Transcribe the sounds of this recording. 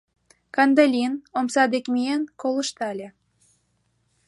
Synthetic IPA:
kɑnd̪elʲinomsɑd̪ekmienkolə̆ʃt̪ɑlʲe

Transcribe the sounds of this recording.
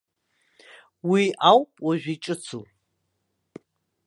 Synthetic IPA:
wiawpʼwaʒᶣʷit͡ʃʼɨt͡sʰu

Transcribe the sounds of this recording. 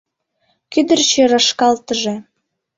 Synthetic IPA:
kyd̪ərt͡ɕøɾɑʃkɑlt̪əʒĕ

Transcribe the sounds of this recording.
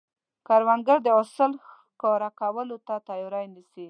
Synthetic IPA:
kaɾwaŋɡaɾd̪əʊsəl | koɾakawəlot̪at̪ɑjoɾajnisi

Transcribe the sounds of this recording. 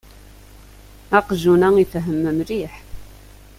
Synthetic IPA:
ɑqʒunæifɦəmːəmɾiħ

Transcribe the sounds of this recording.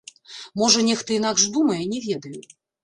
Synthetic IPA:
mɔʐɐnʲɛxt̪ɐin̪aɡʐd̪umɐjɛnʲɛvʲɛd̪ɐju

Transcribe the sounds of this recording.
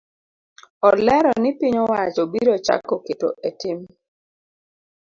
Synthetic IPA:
ɔlɛɾɔnɪpiɲɔwat͡ʃobiɾot͡ʃa̰kːoketo̰ʔetɪm

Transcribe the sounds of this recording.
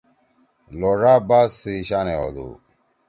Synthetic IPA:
loɾabasiɕaneo̰d̪ṵ

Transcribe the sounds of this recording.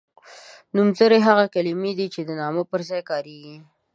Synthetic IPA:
numzəɾeɦaɣakalimed̪it͡ʃed̪ənɑməpəɾzɑjkɑɾeɡi

